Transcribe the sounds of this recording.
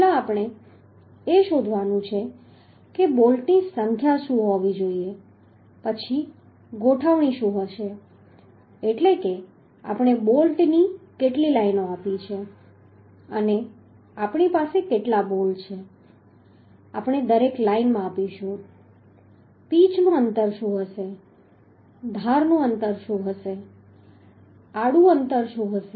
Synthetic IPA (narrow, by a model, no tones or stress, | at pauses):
aapɽ̃e | eʃod̪ʱʋanũt͡ʃʰe | kebolʈnisəŋkʰjaʃũɦoʋid͡ʒoie | pət͡ʃʰi | ɡoʈʰaʋɳ̃iʃũɦəʃe | eʈleke | a̰pɳ̃ebolʈnikeʈlilainoapit͡ʃʰe | əne | apɳ̃ipasekeʈlabolt͡ʃʰe | a̰pɳed̪əɾeklainmãːpiʃũ | pit͡ʃnũənt̪əɾʃũɦəʃe | d̪ʱaɾnũənt̪əɾʃũɦəʃe | aɽũənt̪əɾʃũɦəʃe